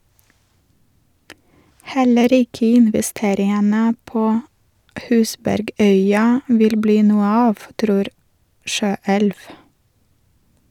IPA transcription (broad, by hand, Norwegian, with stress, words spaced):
ˈhɛləɾ ˈɪkə ɪnʋɪˈsteːɾɪənə ˈpoː ˈhʉːsbæɾˌɡœʏɑ ˈʋɪl ˈbliː ˈnuːə ˈɑːʋ ˈtɾuːɾ ˈʃøːɛlʋ